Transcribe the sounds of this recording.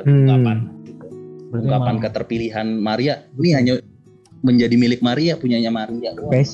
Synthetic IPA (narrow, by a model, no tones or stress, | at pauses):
kaanit̪uuŋkapankət̪ərpiliɦanmaɾianiɦaɲa | məɲd͡ʒadimilɪk̚maɾiapuɲaɲamaɾiapes